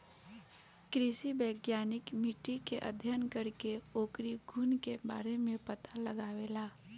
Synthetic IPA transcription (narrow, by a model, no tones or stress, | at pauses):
kɾɪsibəːɡjaːnɪkmɪʈːikeʔə̰d̪ʱjənkəɾkeoːkɾiɡʱuːnkeba̰ːɾemẽpɐt̪alɐɡaːʋelaː